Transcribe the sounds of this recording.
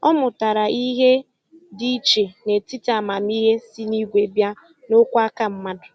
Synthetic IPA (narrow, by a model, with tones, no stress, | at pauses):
ɔ˦mʊ˨ta˨ɾa˨ʔi˦ɦe˦ | di˦t͡ʃe˨ne˨ti˦ta˨ma˨mi˦ɦe˦si˦ni˦ɡʷe˨bja˦ | no˦kʷa˦ka˦m̩˦ma˦dʊ˨